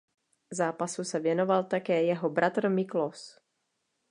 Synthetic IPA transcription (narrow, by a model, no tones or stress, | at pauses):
zaːpasusɛvjɛno̞valt̪akɛːjɛɦo̞bɾʔat̪r̩mɪklos